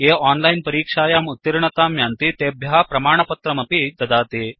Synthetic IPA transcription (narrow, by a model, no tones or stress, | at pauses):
eːaːnlɐjnpɐɾiːkʂaːjaːmut̪ːiɾɳɐt̪aːmjaːnt̪it̪eːbʱjɐɦaːpɾɐmaːɳɐpɐt̪ɾɐmɐpid̪ɐd̪aːt̪eː